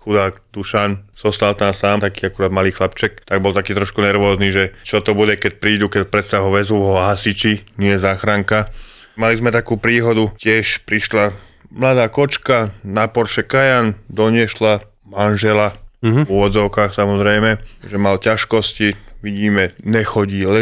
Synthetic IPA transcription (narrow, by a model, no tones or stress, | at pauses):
xud̪aːɡd̪uʃanz̥ɔst̪alt̪amsaːmt̪akiːakuɾaːd̪maliːxlapt͡ʃɛkt̪aɡbɔlt̪akiːt̪ɾɔʃkunɛɾʋɔːzniːʒɛt͡ʃɔt̪ɔbuɟɛkɛc̚pɾiːd̪ukɛcpɾɛt̪saɦɔʋɛzuʋɔɦasit͡ʃiɲɪɛzaːxɾaŋka | malizmɛt̪akuːpɾiːɦɔd̪ucɪɛʃpɾiʃla | mlad̪aːkɔt͡ʃkanapɔɾʃɛkajand̪ɔɲɪɛʃla | manʒɛlavuʋɔdd͡zɔʊkaːxsamɔzɾɛjmɛʒɛmalcaʃkɔsciʋiɟiːmɛɲɛxɔɟiːlɛ